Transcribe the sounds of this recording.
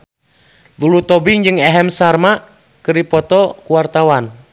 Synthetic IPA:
d̪ulut̪ɔbiŋd͡ʒɨŋɛɦɛmsarma | kɨɾipɔt̪ɔkuwart̪awan

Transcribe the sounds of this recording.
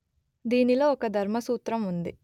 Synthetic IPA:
d̪iːnilo̞ːɔkɐd̪ʱɐɾmɐsuːt̪ɾɐmund̪i

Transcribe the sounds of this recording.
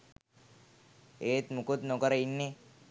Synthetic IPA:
eːt̪mukut̪nokəɾɐinːe

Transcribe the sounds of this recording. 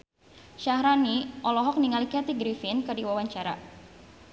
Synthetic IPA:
ʃahɾaniʔɔlɔɦɔk̚niŋalikɛt̪iɡɾifɪnkɨdiwawaɲt͡ʃaɾa̰

